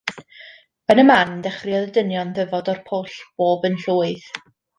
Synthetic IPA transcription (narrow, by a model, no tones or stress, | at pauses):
ənəmandɛχrɪɔðədənjɔnðəvɔdɔrpʰoɬb̥oːbənɬuːɨð